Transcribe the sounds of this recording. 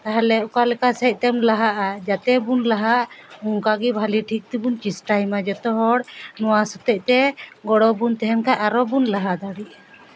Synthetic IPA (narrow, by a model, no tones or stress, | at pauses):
t̪aɦalɛʔukalɛkasɛc̚t̪ɛmlaɦaʔad͡ʒat̪ɛbunlaɦaʔuŋkaɡibʱaliʈʰik̚t̪ibunt͡ʃisʈajmad͡ʒɔt̪ɔɦɔɽnɔwasɔt̪ɛc̚ˀt̪ɛɡɔɽɔbunt̪ɛɦɛmkaʔaɾɔbunlaɦad̪aɽiʔa